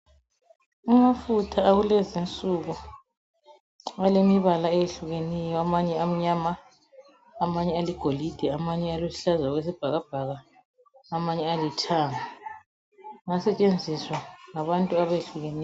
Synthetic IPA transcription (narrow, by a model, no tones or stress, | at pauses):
umafutʰaːɣulɛzint͡sʼuɣu | alemiβalaejeɬuɣenijɔamaɲɛam̩ɲama | amaɲɛaliɡ̥ʱolid̥ʱɛamaɲɛalusiɬazwaɣwes̬ib̥ʱaɣab̥ʱaɣaː | maɲɛalitʰaːŋa | ŋasɛt͡ʃʼend͡zʱiswaŋaβantʼuaβaɬuɣeniː